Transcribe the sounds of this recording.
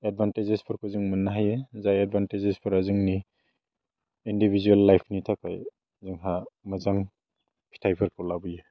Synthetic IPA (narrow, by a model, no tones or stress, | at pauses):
ed̚bʱantezespʰɯɾkʰozɯŋmɯnːaɦajezajed̚bʱantezespʰɯɾazɯŋni | indibʱizuelːajpʰnitʰakʰaj | zɯŋɦamɯzaŋ | pʰi̥tʰajpʰɯɾkʰɔlabɯje